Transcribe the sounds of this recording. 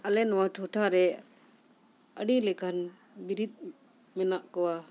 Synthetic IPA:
alɛnɔwaʈʰɔʈʰaɾɛ | əɖilɛkʰan | biɾit̪̚ˀ | mɛnaʔkɔwa

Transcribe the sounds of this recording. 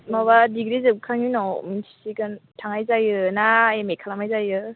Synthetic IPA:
maβadiɡɾizɯkʰaŋinɔminsʰi̥sikɯntʰaŋajzajɯnaemekʰalamajzajɯ

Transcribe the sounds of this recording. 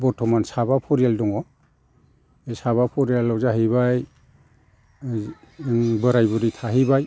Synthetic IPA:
bɔɾtʰɔmansaβapʰɔɾijaldɔŋɔ | esaβapʰɔɾijalːɔzaɦiβaj | bɯɾajbɔɾitʰaɦibaj

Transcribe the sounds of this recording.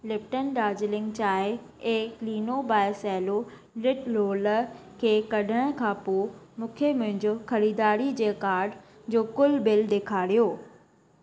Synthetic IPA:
lɪpʈənɖaːd͡ʑlɪ̃ŋɡt͡ɕaːɪ | ẽːkliːnobaːɪsɛːlo | lɪʈloːləkʰeːkɐɖʱəɽ̃kʰãːpoːmʊ̃kʰemʊ̃ɦɪ̃ɲd͡ʑoxɐɾiːd̪aːɾid͡ʑeːkaːɾɖ | d͡ʑoːkʊlbɪld̪eːkʰaːɽijoː

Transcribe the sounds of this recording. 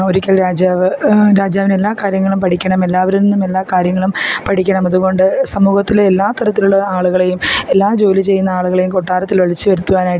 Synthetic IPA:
o̞ɾikʲːɐlɾaːd͡ʑaːʋɨɾaːd͡ʑaːʋine̞lːaːkaːɾjɐŋːɐɭumpɐʈʰikʲːɐɳɐme̞lːaːʋɐɾinːume̞lːaːkaːɾjɐŋːɐɭumpɐʈʰikʲːɐɳɐmɐðuɣo̞ɳɖɨsɐmuːɣɐt̪ːilːlːaːt̪ɐɾɐt̪ːiluɭːɐaːɭuɣɐɭe̞jume̞lːaːd͡ʑo̞ːlit͡ɕe̞jːunːɐaːɭuɣɐɭe̞jumko̞ʈːaːɾɐt̪ːilʋɐɭit͡ɕːɨʋɐɾut̪ːuʋaːnaːj

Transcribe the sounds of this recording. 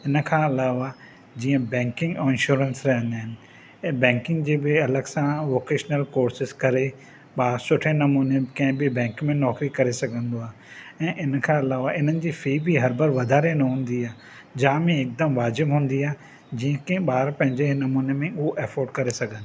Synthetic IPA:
ɪnəkʰãːɪlaːʋa | d͡ʑiːə̃bɛ̃ːŋkɪ̃ŋɡɔɪ̃nʃuːɾə̃nsɾɐɦə̃nd̪aːɦɪnɪ̆ | bɛ̃ːŋkɪ̃ŋɡd͡ʑeːbɪɐləɡsãʋoːkeːʃnəlkoːɾsɪzkɐɾe | ɓaːɾsʊʈʰenɐmuːnekɐ̃ɦɪ̃bɪbɛ̃ːŋkmẽnɔːkɾikɐɾesɐɡʱə̃nd̪oaːɦeɛ̃ːʔɪnəkʰãːɐlaːʋaɪn̤ənɪ̆d͡ʑiːfiːbiɦɐɾbɐɾʋɐd̪ʱaːɾenɐɦũːn̆d̪iaː | d͡ʑaːmẽeːk̚d̪əmʋaːd͡ʑɪbɦũːnd̪iaː | d͡ʑĩːə̃kẽɓaːɾpɐ̃ɦɪ̃ɲd͡ʑenɐmuːnemẽʊɦoʔɛːfoːɾɖkɐɾesɐɡʱə̃nd̪o

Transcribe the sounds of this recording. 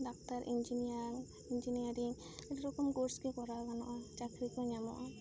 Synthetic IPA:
ɖak̚taɾʔḭnd͡ʒinijaŋ | ind͡ʒiniaɾiŋ | eʈiɾɔkɔmkoɾskekɔɾalɡanɔʔat͡ʃakɾikɔɲamɔ̰ʔa

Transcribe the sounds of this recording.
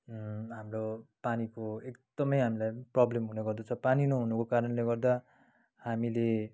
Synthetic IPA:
ɦamropanikoekd̪̥ʌmʌjɦamilajprʌblemɦunʌɡʌrd̪ʌt͡sʰʌpaninoɦunukokaɾʌnleɡʌrd̪a | hamile

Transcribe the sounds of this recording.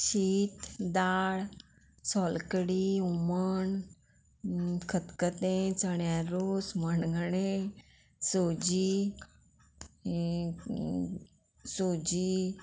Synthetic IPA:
ʃiːt̪d̪aːɽ | sɔːlkəɽiumən | kʰət̪kət̪ẽt͡səɳjaɾoːsmənɡʱəɳẽ | soːd͡ʒi | soːd͡ʒi

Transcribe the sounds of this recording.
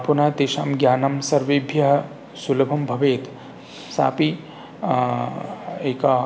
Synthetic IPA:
punaːt̪eːʃaːmɡjaːnɐmsɐɾʋibʱjɐɦɐ | sulɐbʱɐmbʱɐʋeːt̪ | sa̰ːpi | eːka

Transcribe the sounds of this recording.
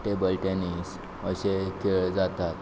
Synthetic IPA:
ʈebəlʈenis | əɕekʰeɭd͡zat̪at̪̚

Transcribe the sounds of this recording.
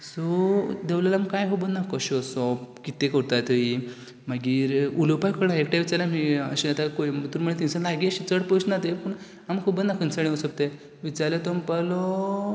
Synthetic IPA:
sɔd̪eʋljalamkajɦobənakɔɕɔsɔpkit̪ekəɾt̪ajt̪əi | maɡiːɾulopajkʰəɽaekʈjaʋit͡saɾlamiəɕiat̪akoit̪uɾm̤əɭet̪ĩnsəlaɡiəɕit͡səɽpəɕnat̪epəːɳ | amkʰubənakʰənsəɽẽəsəp̚t̪e | ʋit͡saɾlet̪ɔmpəlɔ

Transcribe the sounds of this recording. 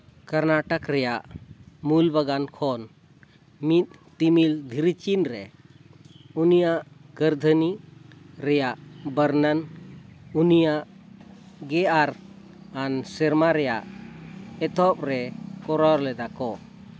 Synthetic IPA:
kəɾnaʈəkɾɛjaʔmulbəɡankʰɔn | mit̪̚t̪imild̪ʱiɾit͡ʃinɾɛ | unijaʔɡəɾd̪ʱəni | ɾɛjaʔbəɾnən | unijaʔ | ɡɛaɾ | ansɛɾmaɾɛjaʔ | ɛt̪ɔp̚ɾɛkɔɾɔɾlɛd̪akɔ

